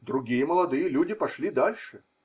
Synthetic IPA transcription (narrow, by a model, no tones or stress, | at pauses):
d̪ɾʊɡʲijəməlˠɐd̪ɨjəlʲudʲɪpɐʂlʲid̪alʲʂɨ